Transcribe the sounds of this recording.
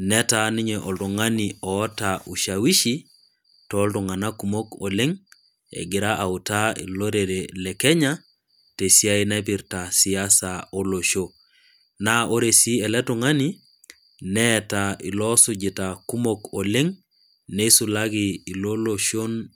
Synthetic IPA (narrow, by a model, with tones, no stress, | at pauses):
nɛ˦ta˦ni˦ɲeʔɔ˨ltɔ˨ŋaniɔː˦taʔu˨ʃa˨wi˦ʃi | tɔ˦ltɔŋa˨na˦kumo˦kole˦ŋ | ḛ˨ɡi˨ɾa˦ʔa˨uta˦ḭ˨lo˦ɾe˨ɾelɛ˨kɛ˦ɲa | te˨si˦a˦inɛp̬iɾtasiasao˦lo˨ʃo | naʔo˦ɾe˨si˦ɛ˨lɛ˦tuŋa˦ni | nɛtaḭ˨lɔ˦sud͡ʒi˨taku˦moko˨le˦ŋ | nesu˨la˦ɡiː˨lo˦loʃo˦n